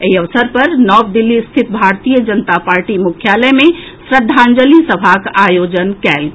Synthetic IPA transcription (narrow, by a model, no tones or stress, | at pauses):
eiəʋsəɾpəɾnɔbd̪ilːist̪ʰit̪̚bʱaɾt̪ijəd͡ʒənt̪apaɾʈimukʰjalɛme | sɾəd̪ʱːãnd͡ʒəlisəbʱakajod͡ʒənkɛl